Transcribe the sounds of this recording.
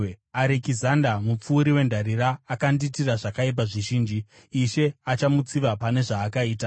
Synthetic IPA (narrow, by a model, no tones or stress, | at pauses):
aɾekizandamup͡fuːɾiwe̞ndʱaɾiɾaːkanditiraʐakaip̬aʐiʒiːnd͡ʒiː | ʃe̞at͡ʃamut͡siʋapane̞ʐaːkaiːta